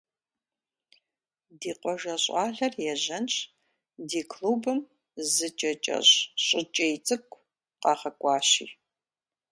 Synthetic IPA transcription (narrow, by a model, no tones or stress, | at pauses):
diːqʷɔʒɐɕʼɑːɮɐrjɛʑɐnt͡ʃ | diːkʰluːbɨm | zɨt͡ʃʼɐt͡ʃʼɐ̰ɕʼɕʼɪt͡ʃʼejt͡sʼɨkʷʰʼ | qɑːʁɐkʷʼɑːɕḭː